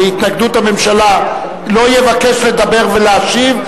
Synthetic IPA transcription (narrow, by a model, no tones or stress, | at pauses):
it̪naɡd̪ut̪hame̞mʃala | lo̞jevake̞ʃle̞d̪abe̞ʁveleaʃiv